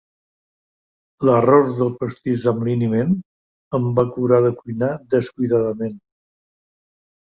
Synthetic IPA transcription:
lərɔzðəlˠpəst̪izəmlinimen | əmbakuɾaðəkujnaðəskujðaðəmen

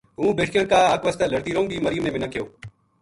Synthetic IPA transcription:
ɦũːbeːʈʰkjənkaːaːkʋəst̪aːləɾt̪iːɾõːŋbiːməɾɪjuːmnẽːmɪnaːkʰɪjoː

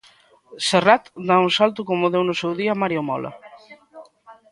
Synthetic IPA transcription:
serat̪d̪auŋsalt̪ʊkomoðewnʊsewðiamaɾjomɔ̰lʔa̰

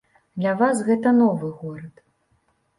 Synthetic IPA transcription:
d̪lʲɐvasɣɛt̪ɐnɔvɨɣɔɾɐt̪

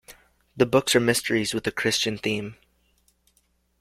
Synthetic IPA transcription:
ðɨbʊksə˞mɪstə˞izwɨðɨkʰɹ̥ɪst͡ʃɨ̃nθĩm

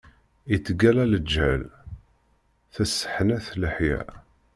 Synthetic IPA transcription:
it͡sːəɡælæləd͡ʒːæ̰l | θæsːə̥ħnæθləħjæ̰

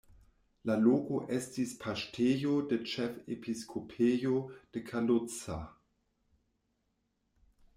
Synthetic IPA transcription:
laloːɡoʔɛstispʰaʃtʰeːjodət͡ʃɛfepʰiskʰopʰeːjod̥əkʰalʊt͡sa

